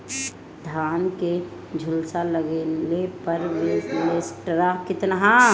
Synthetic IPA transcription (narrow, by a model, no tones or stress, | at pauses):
d̪ʱaːnke | d͡ʒʱʊlsaləɡelepəɾʋelesʈɾakɪt̪naɦã